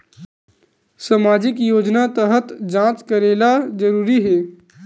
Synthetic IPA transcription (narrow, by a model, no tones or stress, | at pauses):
samaːd͡ʒɪkjoːd͡ʒnat̪əɦət̪d͡ʒãːt͡ʃkəɾeːlazəɾuːɾiɦɛː